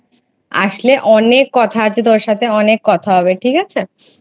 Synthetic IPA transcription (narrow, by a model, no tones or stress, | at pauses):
a̰ʃleʔɔnekːɔt̪ʰat͡ɕʰet̪̬oɾʃat̪ʰeɔnekːɔt̪ʰaɦɔbeʈʰikat͡ɕʰe